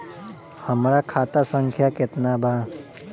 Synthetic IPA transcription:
həmɾakʰaːt̪asə̃ŋkʰjakɪt̪nabʱa

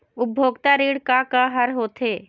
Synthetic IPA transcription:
ʊbʱoːɡt̪aɾiːɽkakaɦɐɾɦoːt̪ʰeː

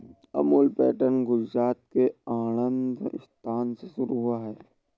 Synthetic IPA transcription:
ɐ̰muːlpɛːʈənɡʊd͡ʒɾaːt̪keaːnə̃nd̪ʱɪ̰st̪ʰaːnsesʊɾuɦʊaɦɛː

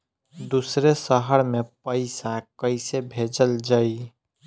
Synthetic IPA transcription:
d̪usɾesəɦəɾmepəɪsakəɪsebʱed͡ʒəld͡ʒai

